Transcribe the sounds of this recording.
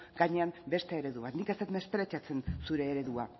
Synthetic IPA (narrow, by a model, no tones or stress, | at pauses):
ɡ̥aɲe̞ambe̞st̪eeɾe̞ðuβat̪nikeset̪me̞st̪ɾet͡ʃat͡se̞nsuɾe̞ːɾe̞ðua